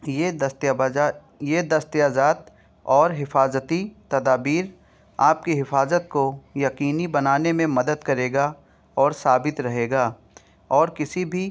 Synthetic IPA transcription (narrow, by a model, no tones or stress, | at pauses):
je | jed̪ɐst̪ijaːzaːt̪ | ɔːɾɦɪfaːzət̪it̪ɐd̪aːbiːɾ | aːp̚kiɦɪfaːzət̪̚kojɐqiːnibɐnaːnemẽmɐd̪əd̪kɐɾeːɡa | ɔːɾsaːbɪt̪ɾɐɦeːɡaː | ɔːɾkɪsibʱi